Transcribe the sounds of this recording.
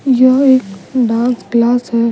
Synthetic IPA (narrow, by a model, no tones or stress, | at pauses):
jəɦeːkɖãːnsklaːsɦɛ